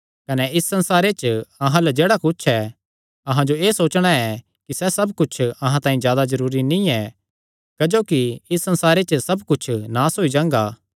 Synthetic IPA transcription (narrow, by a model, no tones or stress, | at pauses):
kɐnɛɪsːɐ̃nsaːɾet͡ʃɐɦãlɛd͡ʒeːɽakʊt͡ʃʰɛ | ɐɦãd͡ʒoeːsoːt͡ʃɽ̃aɛ | kisɛsɐbkʊt͡ʃʰɐɦãt̪ãːĩzjaːd̪azɐɾuːɾinĩɛ | kɐd͡ʒoːkiɪsːɐ̃nsaːɾet͡ʃəsɐbkʊt͡ʃʰnaːsɦoːid͡ʒãːŋ̆ɡaː